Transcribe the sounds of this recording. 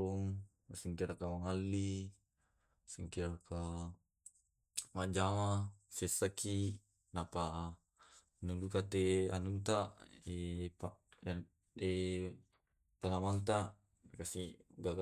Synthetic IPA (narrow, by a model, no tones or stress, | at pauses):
ɔŋ | asiŋkiɾakamaŋalːi | siŋkiɾaka | mad͡ʒamasesaki | napa | nudukat̪ea̰nunt̪aepaja | e | t̪anamant̪a | kasiɡaɡa